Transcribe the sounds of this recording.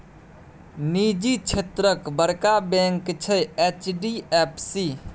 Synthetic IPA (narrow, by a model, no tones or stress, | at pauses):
nid͡ʒit͡ʃʰet̪ɾəkbəɾkabɛ̃ŋkt͡ʃʰɛet͡ʃɖiepʰsi